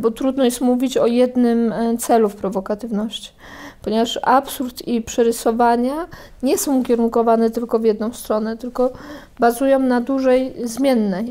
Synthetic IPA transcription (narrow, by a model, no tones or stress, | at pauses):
bɔt̪ɾud̪nɔjɛst̪muvʲit͡ɕɔjɛd̪nɘmt̪sɛlufpɾɔvɔkat̪ɘvnɔɕt͡ɕi̥ | pɔɲɛvaʂapsuɾt̪ipʂɛɾɘsɔvaɲa | ɲɛsɔ̃w̃ukʲɛɾunkɔvanɛt̪ɘlkɔvʲjɛd̪nɔ̃w̃st̪ɾɔnɛt̪ɘlkɔ | bazujɔ̃w̃nad̪uʐɛjzmʲjɛnːɛj